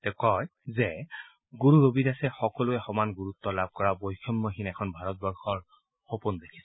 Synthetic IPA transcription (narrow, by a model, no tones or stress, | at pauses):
tɛkɔjzɛ | ɡuɹuɹobitasɛxɔkɔluɛxɔmanɡuɹut̪ːɔlab̚kɔɹabojkʰɔmːoɦinɛkʰɔnbʱaɹɔt̚bɔɹxɔɹ | xopund̪ekʰi̥sɛ